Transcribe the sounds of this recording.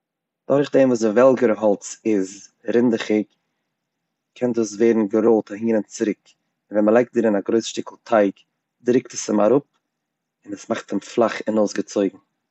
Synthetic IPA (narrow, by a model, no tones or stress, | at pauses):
d̥ɔɾχdemvuːsəvɛlˠɡəɾəɦɔlˠt͡sɪzɾɪndəχɪk | kʰɛntdus̬veɪdn̩ɡəɾolˠtahiːnənt͡sɪɾɪk | ɪnvɛnməlˠaɪkt̚dɪɾɪnaɡɾoɪsʃtɪkl̩ˠtʰaɪk | dɾɪktəsɪmaɾʊp̚ | ɪnəsmaχtɪmflˠaχɪnoʊsɡət͡soɪɡŋ̩